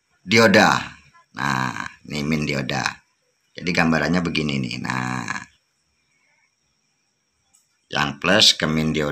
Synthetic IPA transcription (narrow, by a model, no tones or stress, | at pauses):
dioda | nʔa̰nimɪndioda̰ | d͡ʒadiɡambaɾanɲabəɡininḭna̰ | ja̰ŋpləskəmɪndio